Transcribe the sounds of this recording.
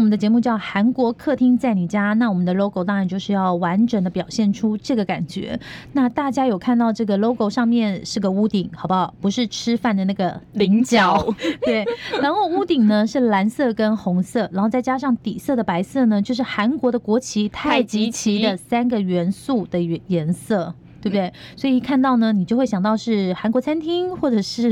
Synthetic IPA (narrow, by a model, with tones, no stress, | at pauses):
wɔ˨mə˦nd̪ə˧t͡ɕjɛ˧˥mu˥˧t͡ɕjɑ˥˩ʊxa˧˥nkwɔ˧˥kʰɤ˥˧˩t̪ʰi˥ŋt͡sa˥˩ɪni˨˩t͡ɕja˥na˥˩wɔ˨˩mə˦nd̪ə˧lo˥ʊko˧ɑ˥ɻnt͡ɕjo˥˧ʊʂɻ̩˥˧jɑ˥˩ʊwa˧˥nʈ͡ʂə˨˩nd̪ə˦pjɑ˨˩ʊɕjɛ˥˩nʈ͡ʂʰu˥ʈ͡ʂɤ˥˩ɡə˩ka̰˨˩nt͡ɕɥɛ̰˧˥na˥˧t̪a˥˩t͡ɕja˥jo˨˩ʊkʰa˥˧nt̪ɑ˥˧ʊʈ͡ʂɤ˥˩ɡə˩lo˥ʊko˧ʊʂɑ˥˧ŋmjɛ˥˧˨nʂɻ̩˥˩ɡə˩u˥t̪i˨˩˦ŋxɑ˨˩ʊbɐ˧pu˧˥ʂɻ̩˥˩ʈ͡ʂʰɻ̩˥fa˥˩nd̪ə˩na˥˩ɡə˩li˧˥ŋt͡ɕjɑ˨˩ʊt̪we˥˩ɪɻa˧˥nxo˥˧ʊu˥t̪i˨˩ŋnə˦ʂɻ̩˥˩la˧˥nsɤ˥˩kə˥nxʊ˧˥ŋsɤ˥˩ɻa˧˥nxo˥˧ʊt͡sa˥˩ɪt͡ɕja˥ʂɑ˥˩ŋt̪i˨˩sɤ˥˩d̪ə˩pa˧˥ɪsɤ˥˩nə˩t͡ɕjo˥˧ʊʂ̬ɻ̩˥˩xa˧˥nkwɔ˧˥d̪ə˧kwɔ˧˥t͡ɕʰi˧˥t̪ʰa˥˩ɪt͡ɕi˧˥t͡ɕʰi˧˥d̪ə˨˧sa˥nɡə˨ɥɛ˧˥nsu˥˩d̪ə˩˧jɛ˧˥nsɤ˥˩ | t̪we˥˩bd̪we˥˩ɪswɔ˧˥i˨˩kʰa˥˧nt̪ɑ˥˩ʊnə˩ni˨t͡ɕo˥˧xwe˥˩jɑ˨˩ŋt̪ɑ˥˧ʊʂɻ̩˥˩xa˧˥nkwɔ˧˥t͡sʰa˥nt̪ʰi˥ŋxwɔ˥˩ʈ͡ʂɤ˨˩ʂɻ̩˥˩